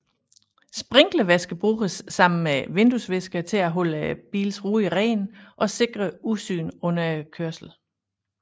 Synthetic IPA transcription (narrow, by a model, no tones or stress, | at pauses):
sb̥ʁeŋ̰ɡ̥ləʋesɡ̥əb̥ʁuːɡ̥əsːɑ̈m̰n̩meʋe̝nd̥usʋesɡ̥ɐt͡sʰe̝æɦɔ̽l̰əb̥ḭːlsʁuːiʁɛ̰ːnʔɒ̽se̝ɡ̥ʁɐusy̰ːnɔ̽nɐkʰøɐ̰sl̩